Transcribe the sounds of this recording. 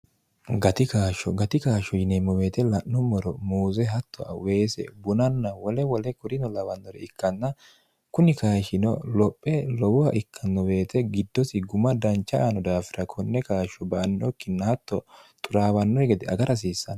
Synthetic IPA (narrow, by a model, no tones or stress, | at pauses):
ɡɐt̪ɪkaːʃɔɡɐt̪ɪkaːʃɔjɪnemːɔwe̞ːt̪ɛlɐnːɔmɔɾɔmuːzɛɦɐt̪ʰːɔʔɐ̰we̞ːsɛ̰bʊnɐnːɐwɔlɛwɔlɛkʊɾɪnɔlɐwɐnːɔɾɛ̰ɪkːɐnːɐ | kʊnɪkaːʃɪnɔlɔpʼːɛlɔwʊɐʔɪkʰːɐnːɔwe̞ːt̪ɛɡɪd̪ːɔsɪɡʊmɐd̪ɐnt͡ʃːɐanɔd̪aːfɪɾɐkʰɔnːɛkaːʃɔbɐːnːɔkːɪnːɐhɐt̪ʰːɔt̪ʼʊɾaːwɐnːɔjɡɛd̪ɛɐɡɐɾʔɐs̬iːsːɐnɐ